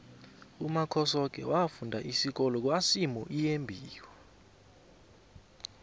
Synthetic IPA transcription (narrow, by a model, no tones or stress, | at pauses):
umakʰɔsɔk̬ɛ̰wafundʱaʔisik̬ɔlɔk̬wasimɔʔijembʱiːwɛ